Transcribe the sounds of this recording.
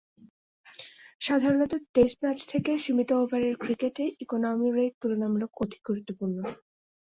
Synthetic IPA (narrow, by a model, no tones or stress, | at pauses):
ʃad̪ʱaɾonɔt̪oʈesʈɾat͡ɕt̪ʰekeʃimit̪oovaɾeɾkɾikeʈeʔikonɔmiɾejʈ̚t̪ulonamulokod̪ʱi̥ɡ̚ɡʱuɾut̪ːopuɾno